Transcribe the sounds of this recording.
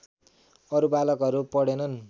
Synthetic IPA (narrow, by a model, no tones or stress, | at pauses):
ʌɾubalʌkʌɾupʌɽenʌn